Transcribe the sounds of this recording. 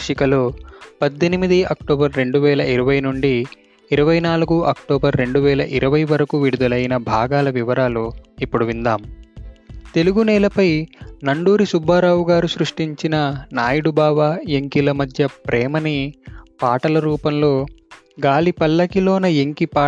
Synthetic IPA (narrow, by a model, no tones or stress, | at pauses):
ʂikɐlo̞ːpɐd̪ːinimid̪iɐk̚ʈoːbɐɾːe̞ɳɖuʋɛːlɐiɾɐʋɐjnuɳɖiː | ɾɐʋɐjnaːluɡuʔɐkʈɔːbɐɾːe̞ɳɖuʋɛːlɐ̰ʔiɾɐʋɐjʋɐɾɐkuʋiɽud̪ɐlɐjinɐbʱaːɡaːlɐʋiʋɐɾaːluipːuɽuʋind̪aːm | t̪e̞luɡunɛːlɐpɐjnɐɳɖuːɾisubʱːaːɾaːwuɡaːɾusɾuʂʈiɲt͡ʃinɐnaːjɐɽubʱaːʋaeŋkilɐmɐd̪ʱjɐpɾʔɛːmɐnipaːʈɐlɐɾuːpɐmlo̞ː | ɡaːlipɐlːɐkiloːnɐeŋkipaː